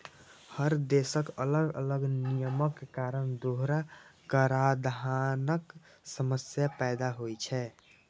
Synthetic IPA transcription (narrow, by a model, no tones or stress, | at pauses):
həɾd̪esəkələɡə̰ləɡnijəməkːkaɾənd̪oɦɾakəɾad̪anək | səməsjapɛd̪aɦojt͡ʃʰɛ